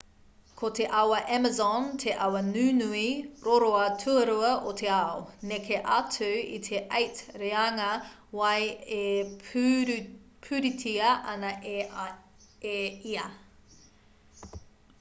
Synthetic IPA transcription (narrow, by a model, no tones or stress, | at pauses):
kʰotʰeʔɐwɐʔɛmɐzɔntʰeʔɐwɐnʉːnuiɾoɾoɐtʰuɐɾuɐʔotʰeaonekʰeʔɐtʰʉit̪ʰeʔɐjtɾeɐŋɐ | wɐje | pʰʉɾitʰiɐʔɐnɐʔe | eiɐ